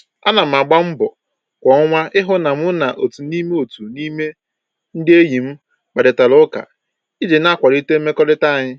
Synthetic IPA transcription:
a̰˦na˨m̩˨a˨ɡ͡ba˦m̩˦bʊ˨ | kʷɔ˨˦ŋʷa˦ɪ˦ɦʊ˦na˨m˦ʊ˦na˨ʔo˨tu˨ni˦me˦o˨tu˨ni˦me˦ | n̩˦dɪ˦e˦ji˨m̩˦ | k͡pa˨dɪ˨ta˨lʊ˦ka̰˨ | i˦d͡ʒe˨na˦kʷa˨ɾi˦te˦me˦kɔ˦lɪ˦ta˦a˨ɲɪ˦

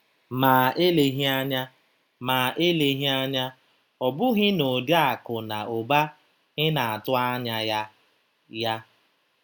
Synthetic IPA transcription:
maː˨e˦le˨ɦi˦a˦ɲa˦ | maː˨ʔe˦le˨ɦi˦a˦ɲa˦ | ɔ˨bʊ˦ɦɪ˦no˨da˨kʊ˨na˨o˨ba˦ | ɣɪ˦na˨a˨tʊ˦a˦ɲa˦ja˦ | ja˦

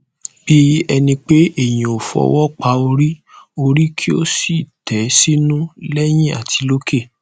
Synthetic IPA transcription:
b̥i˦ɛ˧nĩ˧k͡pe˦e˦˨j̃ĩ˨o˨fɔ̰˧wɔ˦k͡pa˧˦o˧ɾi˦o˧ɾi˦kʰi˦o˦si˦˨tɛ˨˦si˦nũ˦lɛ˦j̃ĩ˦a̰˨tʰi˨˦lo˦ke˦˨

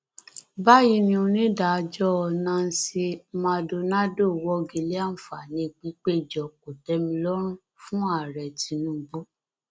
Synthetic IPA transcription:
ba˦ji˧nĩ˧˦o˧nĩ˦da˨˧d͡ʒɔ˦ɔ˧nã˧n̩˦si˧mã˧do˧na˦do˦˨wɔ˦ɡi˧le˦a˦˨n̩˨fa˨nĩ˧k͡pĩ˦k͡pe˦˨d͡ʒɔ˨ko˨tɛ˨˦mĩ˧lɔ˦ɾ̃ũ˦ | fũ˦a˦˨ɾɛ˨tĩ˨˧nũ˦˨ɡ͡bo˦

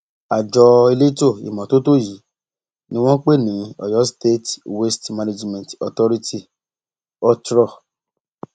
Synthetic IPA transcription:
a˨d͡ʒɔ˧e˧le˦to˦˨ḭ˨mɔ̃˨to˦to˦ji˨˦ | nĩ˦w̃ɔ̃˦k͡pe˦nĩ˨˦ɔ̰˨jɔ˨˦ste˦twe˦stmã˧ne˧d͡ʒmɛ̃˨tɔ˨tɔ˦ɾi˧tʰi˦˨ | ɔ˧tɾɔ˦˨

